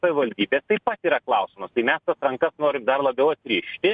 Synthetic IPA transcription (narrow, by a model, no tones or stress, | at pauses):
sɐʋʲɪʋɐlʲd̪ʲiːbʲeːst̪ɐɪpɐt̪iːɾɐklˠɐʊsʲɪmɐst̪ɐɪmʲɛst̪ɐsɾɐŋkɐsnoːɾʲɪmd̪ɐrlˠɐbʲɛʊɐt̪sʲɾʲiːʃʲt̪ʲɪ